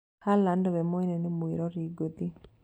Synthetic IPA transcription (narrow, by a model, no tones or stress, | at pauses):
kalandɔwɛmɔinɛnɪmuiɾɔɾiɡot̪i